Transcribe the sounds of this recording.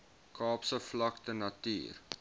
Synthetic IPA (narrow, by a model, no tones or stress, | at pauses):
kʰɑːpsəflɐk̚tənɐty̰ːr